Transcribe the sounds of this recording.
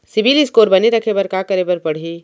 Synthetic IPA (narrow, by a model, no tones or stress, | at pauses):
sɪbilɪskoːɾbɐneɾɐkʰebɐɾkakɐɾebɐɾpɐɽ̤ɦiː